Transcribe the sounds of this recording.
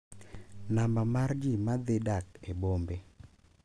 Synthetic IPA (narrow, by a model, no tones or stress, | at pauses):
nambamard͡ʒimad̪ɪdakebombe